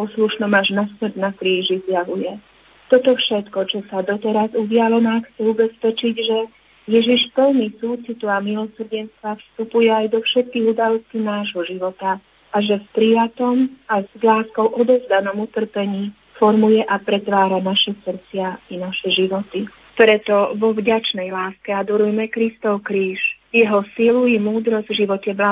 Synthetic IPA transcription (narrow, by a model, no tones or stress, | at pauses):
pɔsluʃnɔmaʒnasmr̩d̪nakɾiːʒizjaʋujɛ | t̪ɔt̪ɔfʃɛt̪kɔt͡ʃɔsad̪ɔt̪ɛɾazuɟɪalɔnaxt͡sɛubɛspɛt͡ʃiɟʒɛ | jɛʒiʃpəlnisuːt͡sit̪uamilɔsr̩ɟɛnst̪ʋafst̪upujɛajd̪ɔfʃɛt̪̚kiːɣud̪alɔscinaːʒɦɔʒiʋɔt̪a | ʔaʒɛfpɾijat̪ɔmazlaːskɔʊʔɔd̪ɔzd̪anɔmut̪r̩pɛɲiː | fɔɾmujɛʔapɾɛt̪ʋaːɾanaʃɛsr̩t͡sɪainaʃɛʒiʋɔt̪i | pɾɛt̪ɔʋɔvɟat͡ʃnɛjlaːskɛad̪ɔɾujmɛkɾist̪ɔʊkɾiːʃ | jɛɦɔsiluɛmuːd̪ɾɔzɟvʒiʋɔcɛbla